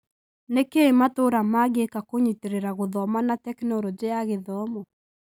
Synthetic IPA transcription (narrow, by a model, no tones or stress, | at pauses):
nekeematoɾamaɡekakoɲiteɾeɾaɣoðɔmanatɛknɔɾɔd͡ʑeaɣeðɔmɔ